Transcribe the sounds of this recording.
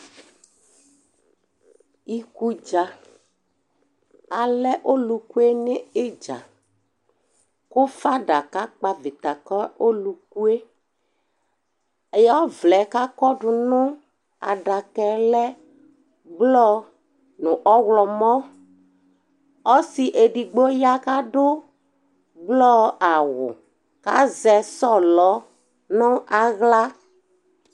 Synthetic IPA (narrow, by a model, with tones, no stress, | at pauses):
i˨ku˨d͡ʒa˨ | a˨lɛ˦ʔo˦lu˨ku˦e˦nɪ˦ɪ˦d͡ʒa̰˨ | kʊ˦fa˦ɖa˨ka˦k͡pa˨vɪ˨t̪a˨kɔ˦o˦lu˨k̚u˦e˦ | e˨˦ja˦vlɛ˨˦ka˦kɔ˦ɖʊ˨nʊ˦ | a̰˨ɖa˨kɛ˨lɛ˦ | blɔ˦ | nʊ˨ʔɔ˦wlɔ˨mɔ˦ | ɔ˦si˨ʔe˨ɖi˨ɡ͡bo˦ja˦ka˦ɖʊ˦ | blɔ˦a˨wʊ̰˨ | ka˦zɛ˨sɔ˦˨lɔ˨˦ | nʊ˦ʔa˨ɣla˦